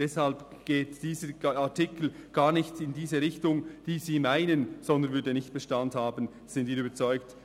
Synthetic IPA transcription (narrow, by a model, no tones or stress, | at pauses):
d̥ɛshalpɡ̥eːtd̥iːzəatʰɪkl̩ɡ̥aːnɪçtɪndiːzəɾɪçtʊŋd̥iːziːmaɪnənz̥ɔndənvʏɐdənɪçt̚b̥ɛʃtanthaːbən | z̥ɪndviːɾyːbət͡sɔʏkt